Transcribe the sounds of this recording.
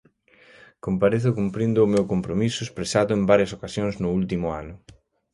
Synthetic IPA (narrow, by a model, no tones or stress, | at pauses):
kompaɾeθʊkumpɾind̪ʊːmewkompɾomisʊespɾesaðʊembaɾjɐsokasjoŋznʊult̪imʊa̰nʊ